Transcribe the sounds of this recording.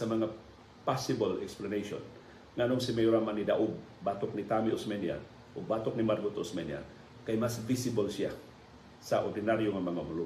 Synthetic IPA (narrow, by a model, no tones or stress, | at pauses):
samaŋa | pasibolɛ̰ksplaneʃɔ̰n | ŋanʊŋsimejuɾamanida̰ʔub̚bat̪ʊk̚nit̪amiusmɛnia̰n | ʊbat̪ʊk̚nimarɡut̪usmɛnia̰n | kajmasvisibolsia | saʔɔrdinaɾjoŋamaŋamulu